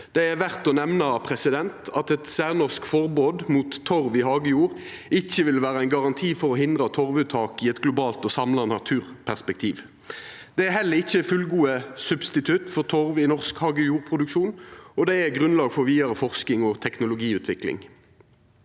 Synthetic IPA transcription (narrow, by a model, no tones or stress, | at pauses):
d̪̥ɛæʋæʁt̪ɔnɛʋnəpʰʁɛsɪd̪ɛnt̪ɑt̪ɛt̪sæːʁnɔʁskfɔʁboːd̪muːt̪ʰːɔʁʋɪhɑːɡəjuːʁʔɪçːəʋɪlʋæːɾəæɪnɡɑʁɑnt̪ʰiːfɔʁɔhɪnd̪ʁət̪ʰɔʁʋʉːt̪ʰɑːkɪɛt̪ɡlʊbɑːlt̪ɔsɑmlɑnɑt̪ʰʉːʁ | pʰæʁspɛkt̪ʰiːʋ | d̪̥ɛæhɛlːəʁɪçːəfʉlɡuːəsʉbst̪ɪt̪ʰʉt̪fɔʁt̪ʰɔʁʋɪnɔʁskhɑːɡəjuːʁpʰʁʊd̪ʉkʃuːnɔd̪ɛæɡʁʉnlɑːɡfɔʁʋiːɑʁəfɔʁskɪŋɔt̪ʰɛknʊlʊɡiːʉːt̪ʰʋɪklɪ̰ŋ